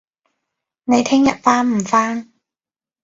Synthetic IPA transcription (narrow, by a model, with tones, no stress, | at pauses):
ne˨˧jt̪ʰɪ˥ŋjɐ̰˨t̚faː˥nm̩˨˩faː˥n